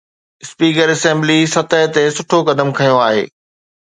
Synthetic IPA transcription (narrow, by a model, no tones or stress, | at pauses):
ɪspiːkəɾɛsɛ̃ːmblisɐt̪əɦɪt̪esʊʈʰokɐd̪əmkʰɐjoaːɦḛː